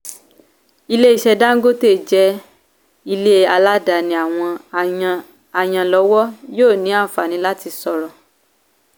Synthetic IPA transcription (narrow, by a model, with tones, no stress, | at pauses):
i˦˧le˦i˦˨ʃɛ˧da˦ŋ̩˦ɡo˦te˦˨d͡ʒɛ˧˦ | i˧le˦˨a˧la˦da˨nĩ˧a˨w̃ɔ̃˧ | a˨j̃ã˧lɔ˧˦wɔ˦joː˦˨nĩ˨˦a˦˨fa˨nĩ˨˦la˦ti˧sɔ˧ɾɔ˨